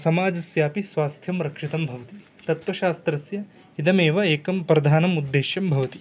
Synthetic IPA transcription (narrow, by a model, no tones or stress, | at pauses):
sɐmaːd͡ʒɐsjaːpisʋaːst̪ʰjɐmɾɐkʂit̪ɐmbʱɐʋɐt̪i | t̪ɐt̪ʋɐʃaːst̪ɾɐsjɐ | id̪ɐmeːʋɐeːkɐmpɾɐd̪ʱaːnɐmud̪ːeːʃjɐmbʱɐʋɐt̪i